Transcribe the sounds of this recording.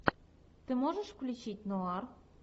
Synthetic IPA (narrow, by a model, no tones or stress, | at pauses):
t̪ɨmoʒə̆ʃklʲit͡ɕitʲnoɑr